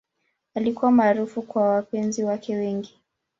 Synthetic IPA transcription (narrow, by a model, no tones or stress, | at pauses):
alikuwamaːɾufukwawapɛnziwakʰɛwɛŋɡi